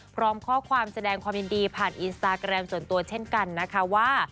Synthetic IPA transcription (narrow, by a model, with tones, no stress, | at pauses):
pʰɾɔː˦˥mkʰɔː˥˩kʰwaː˧msa˧dɛː˧ŋkʰwaː˧mji˧ndiː˧pʰaː˨˩nʔi˧nst̪aː˧kɾɛ˧msu˨˩ənt̪u˧ɐt͡ɕʰe˥˩nka˧nːa˦˥kʰa˦˥waː˥˩